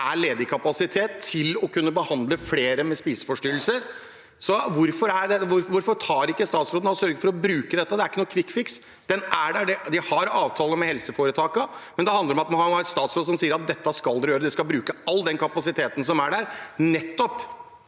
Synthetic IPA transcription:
ʔæɭeːd̪əkʰɑpɑsɪt̪ʰeːt̪ʰːɪlɔkʰʉnːəbəhɑnd̪ləfleːɾəmɛspiːsə̥fɔʂʈyːlsəɾ | sɔʋʊɾfɔɾæɖ̪ɛʋʊɾʋʊɾfɔt̪ʰɑːɾɪkːəst̪ɑːt̪sɾod̪nɔsœɾɡəfɔɾɔbɾʉːkəd̪ɛt̪ːəd̪ɛæɾɪkːənuːəkʰʋɪkːfɪks | d̪̥ɛnæɖæɖɛd̪ɪhɑɾɑːʋt̪ʰɑːləmɛhɛlsəfoːɾət̪ʰɑːkəmɛnd̪ɛhɑnd̪əɾɔmɑt̪mɑnɑɑɾɛt̪st̪ɑːt̪sɾoːd̪sɔmsiːəɾɑt̪̚d̪ɛt̪ːəskɑld̪ɛɾjøːɾəd̪ɛskɑlbɾʉːkəɑlːd̪ɛnkɑpɑsɪt̪ʰeːt̪ən̩sɔmæɖæɾnɛt̪ːɔp

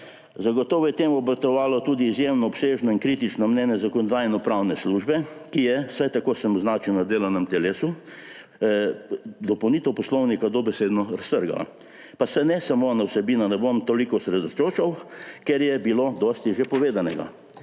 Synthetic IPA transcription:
zaɡɔt̪ɔːʋɔjɛt̪emɔbɾɐt̪ɔʋaːlɔt̪uːd̪iːzjemnɔːpseːʒnɔinkɾiːt̪it͡ʃnɔmnʲjɛːnjɛzakɔnɔd̪ajnɔpɾawnɛsluːʒbɛkijɛsajt̪akoːsəmɔznaːt͡ʃiwnad̪eːlanɛmt̪ɛleːsu | d̪ɔpɐwnit̪ɛwpɔslɔwnikad̪obɛsed̪nɔɾɐst̪əɾɡa̰la̰ | pasɛnɛsamonawsɛbiːnanɛbomt̪oːlikɔsɾɛd̪ɔt͡ʃot͡ʃɐwkɛɾjɛbilod̪ɔst̪iʒepɔʋeːd̪anɛɡa̰

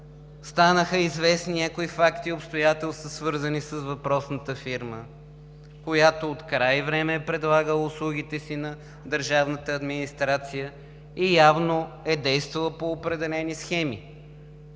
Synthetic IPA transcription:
st̪anəxəizvɛsninʲakoifakt̪iopst̪ojat̪ɛlˠst̪əsvɤɾzənisəsvɐpɾɔsnət̪əfiɾmə | kojat̪oːt̪kɾajvɾɛmɛːpɾɛd̪lˠaɡəʊslˠuɡit̪ɛsinɐ | d̪əɾʒavnət̪əːd̪minist̪ɾat̪sijə | ijavnoɛd̪ɛjst̪vɐlˠəpoːpɾɛd̪ɛlɛnisxɛmḭ

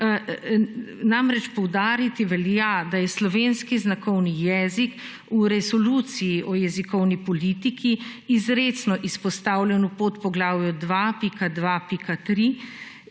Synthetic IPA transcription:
namɾɛt͡ʃpɔwd̪aːɾit̪iʋɛljad̪ajɛslɔʋeːnskiznakɔwnijɛːzik | uɾɛzɔluːt̪sijiʔɔjɛzikɔwnipɔliːt̪ikʰiːzɾesnɔʔispɔst̪aːwlʲjɛnupot̪pɔɡlaːwjɔd̪ʋapikad̪ʋapikat̪ɾi

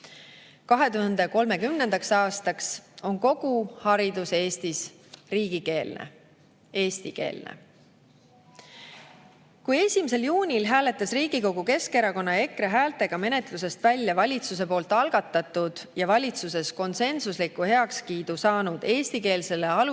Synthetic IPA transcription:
kɑɦe̞t̪uhɑnd̪e̞ko̞lme̞kymnend̪̥ɑksɑːst̪ɑkso̞nko̞ɡ̥uhɑɾid̪̥use̞ːst̪is | riːɡ̥ike̞ːlnʔḛ | e̞ːst̪ike̞̰ːlnḛ | kuje̞sʲimise̞ljuːnʲilɦæːle̞t̪ːˑɑsriːɡ̥iko̞ɡ̥uke̞ske̞ɾɑko̞nːɑe̞kɾeɦæːlt̪e̞ɡ̥ɑme̞ne̞t̪luse̞st̪vælʲːjɑvɑlʲit̪sus̬e̞po̞ːlt̪ːˑɑlɡ̥ɑt̪ːˑɑt̪ːˑud̪̥jɑvɑlʲit̪suse̞sko̞nse̞nsuslikːuhe̞ɑkskiːd̪̥usɑːnud̪̥e̞ːst̪ike̞ːlse̞le̞ɑlu

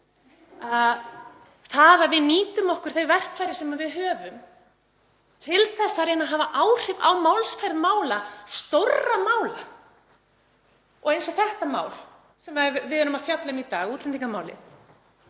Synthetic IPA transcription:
a | θaðavɪðniːt̪ʏmɔhkʏɾ̥θeɥvɛr̥kfajɾɪsɛmavɪðɦœːvʏm | t̪ʰɪlθɛsːaɾejnaɦaːvaʔaːwr̥ɪvawmawlsfajɾðmaːwlast̪owramaːwla | ɔɣejnsɔθɛht̪amaːwl | sɛmavɪðʏɾʏmaðfjat̪lamit̪a̰ːɣuːt̪lɛnt̪iŋkamaːwlɪ̰θ

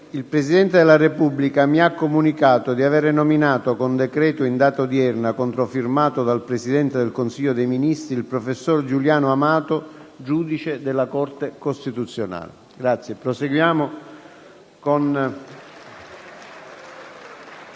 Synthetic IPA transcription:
ilpɾesid̪ɛnt̪ed̪elːarepubːlikamiakːomunikaːt̪od̪iaveːɾenominaːt̪okond̪ekɾɛːt̪oind̪aːt̪ad̪iɛrnakont̪ɾofirmaːt̪od̪alpɾesid̪ɛnt̪ed̪elkonsiːʎːod̪ejminist̪ɾiilpɾofesːord͡ʒuljaːnoamaːt̪od͡ʒuːd̪it͡ʃed̪elːakɔrt̪ekost̪it̪ut̪sːjona̰ːlḛ | ɡɾat̪sːjepɾoseɡwjaːmo | kon

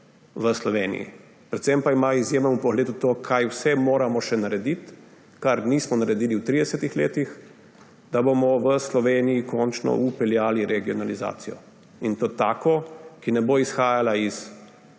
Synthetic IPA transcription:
ʋəslɔʋeːnḭjḭ | pɾɛt̪sɛmpaimaizjeːmɛmupɔɣleːd̪ut̪oːkʰajwsɛmoːɾamɔʃɛnaɾɛd̪it̪ | kaɾniːsmɔnaɾɛd̪iːliwt̪ɾid̪ɛsɛt̪ixleːt̪ix | d̪abomɔʋəslɔʋeːnijikɔnt͡ʃnɔ̰ʔupɛljaːliɾɛɡiɔnaliza̰ːt̪sijɔ̰ | int̪oːt̪aːkɔkinɛboːisxaːjalais

